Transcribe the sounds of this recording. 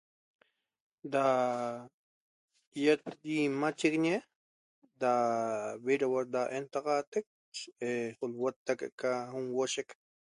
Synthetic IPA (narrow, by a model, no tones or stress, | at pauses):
d̪a | jet̪̚d̪imat͡ʃekɲe | d̪aβeɾawaɾd̪aʔent̪ɑʁɑt̪ek̚ | eχolwot̪ːakḛkaɦumwoʃek